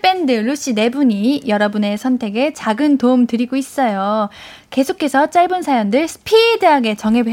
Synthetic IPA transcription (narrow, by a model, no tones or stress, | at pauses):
p͈e̞ndɯɾuɕ͈ine̞buɲijʌɾʌbune̞sʰʌntʰe̞ɡe̞t͡ɕaɡɯntomtɯɾiɡois͈ʌjo | ke̞sʰokʰe̞sʰʌt͡ɕ͈aɭbunsʰajʌndɯɭsʰɯ̥pʰidɯɦaɡe̞t͡ɕʌŋɦe̞bwe